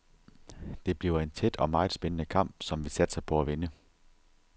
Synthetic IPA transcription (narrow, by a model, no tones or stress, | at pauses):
d̥e̝b̥liʊɐe̝nt͡sʰed̥ɒ̽mɑ̈ːð̩ˠsb̥enənəkʰɑ̈m̰b̥sɒ̽mʋi̝sæd̥sɑ̈ɪpʰɒ̽æʋenə